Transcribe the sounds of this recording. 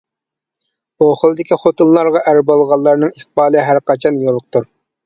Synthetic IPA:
oχəlˠɨd̪ɪkʲiχot̪ɨnːˠɑɾʁɑʔæɾbolˠʁɑlˠːɑɾnɨŋiχbɑːlˠɨɦæɾqɑt͡ʃʰɑnjolˠːq̚t̪uɾ

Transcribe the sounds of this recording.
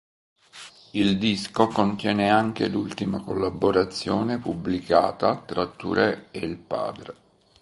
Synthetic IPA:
ild̪iskokont̪jɛːneaŋk̟ḛlult̪imakolːaboɾat̪sːjɔːnepubːlika̰ːt̪at̪ɾat̪ːṵɾeeilpa̰ːd̪ɾe

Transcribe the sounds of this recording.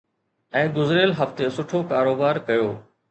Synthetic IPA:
ɛ̃ːɡʊzɾeːlɦɐft̪esʊʈʰokaːɾoːbaːɾkɐjoː

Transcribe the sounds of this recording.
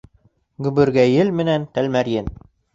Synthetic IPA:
ɡɵ̆βɘ̆ɾɡæjɘlmɘ̆nænt̪ælmæɾjɘn

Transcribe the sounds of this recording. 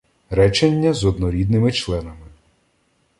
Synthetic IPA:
ɾɛt͡ʃenʲːɐzɔd̪nɔɾʲid̪nɪmɪt͡ʃlˠɛnɐmɪ

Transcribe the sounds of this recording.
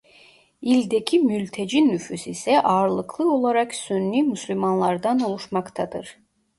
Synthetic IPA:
ilʲd̪ecʰimylʲt̪ʰed͡ʒinːyfysisɛʔaːɾlˠɯkʰlˠɯo̞lˠaɾaksønːymyslʲymanlˠaɾd̪anolˠuʃmakt̪ʰad̪ɯɾ̥

